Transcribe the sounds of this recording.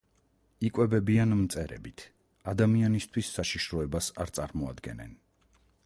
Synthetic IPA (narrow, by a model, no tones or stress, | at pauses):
ikʼwɛbɛbianmt̪sʼɛɾɛ̰bit̪ʰ | ad̪amianist̪ʰwisːaʃiʃɾɔɛbasa̰ɾt̪sʼaɾmɔa̰d̪ɡɛ̰nɛ̰n